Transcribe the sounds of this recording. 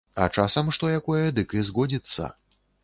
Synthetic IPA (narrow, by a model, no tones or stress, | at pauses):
ɐ̰t͡ʂasɐmʂt̪ɔjakɔjɐd̪ɨkɨzɣɔd͡zʲit̪sːɐ̰